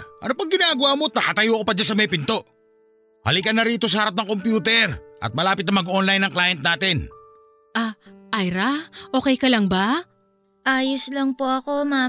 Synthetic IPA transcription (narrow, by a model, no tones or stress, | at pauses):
ʔɐ̰nopɐŋɡɪnaːɡɐwamo̞t̪ɐkɐt̪ɐjoʔɐkopɐd͡ʒas̬ɐmɐjpɪnt̪o̞ʔ | hɐ̰likɐnːɐɾiːt̪o̞s̬ɐhɐɾap̚nɐŋko̞mpjuːt̪ɛɾʔɐ̰t̪̚mɐlaːpɪt̪nɐmɐɡʔonlajnɐŋklaːjɛnt̪̚naːt̪ɪn | ʔaʔajɾaʔo̞ːkɛjkɐlɐŋba | ʔaːjoslɐŋpoɐko̞ma